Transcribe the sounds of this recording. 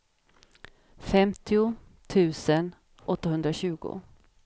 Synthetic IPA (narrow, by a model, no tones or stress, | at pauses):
fɛmt̪ʰɪʊ | t̪ʰʉ̟ːsən | ʔɔt̪ːaɦɵnd̪ɾaɕʉ̟ːɡʊ̰